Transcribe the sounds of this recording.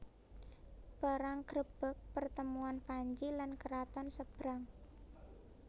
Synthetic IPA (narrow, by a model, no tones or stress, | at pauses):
b̥a̤ɾaŋkɾəb̥ə̤k̚pərt̪əmuanpaɲd͡ʒilankəɾat̪ɔnsəb̥ɾaŋ